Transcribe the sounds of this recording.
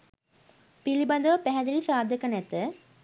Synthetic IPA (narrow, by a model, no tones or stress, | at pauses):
pilibɐnd̪ɐʋɐpɛɦɐd̪ilisaːd̪ʱɐkːɐnɛt̪ːə